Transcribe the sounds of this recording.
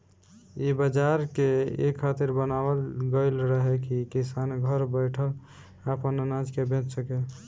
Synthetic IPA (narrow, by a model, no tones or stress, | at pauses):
ibəd͡ʒaɾkeḛkʰːat̪iɾbənabəlɡəɪlɾəɦɛkikisanɡʱəɾbəjʈʰəl | apənnãd͡ʒkebẽt͡ʃsəke